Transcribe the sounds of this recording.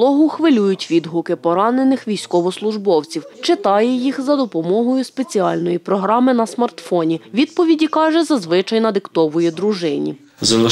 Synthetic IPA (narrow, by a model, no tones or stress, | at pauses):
lˠɔɦʊxʋɪlʲujʊtʲʋʲid̪ɦʊkɪpɔɾɑnenɪxʋʲijsʲkɔʋɔslˠʊʒbɔwt͡sʲiwt͡ʃɪt̪ɑjɛjixzɐd̪ɔpɔmɔɦɔjʊspet͡sʲiɑlʲnɔjipɾɔɦɾɑmɪnɐsmɐrt̪fɔnʲiʋʲid̪̚pɔʋʲidʲikɑʒɛzɐzʋɪt͡ʃɐjnɐd̪ɪkt̪ɔʋɔjid̪ɾʊʒɪnʲḭ | zɐnɐ